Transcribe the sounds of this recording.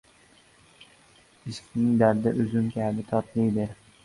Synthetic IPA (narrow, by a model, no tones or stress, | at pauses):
ɪʃkʲnɪŋd̪aɾd̪aʔʊzɪmkʲʰabɪt̪ʰɒt̪lɪjd̪ɪ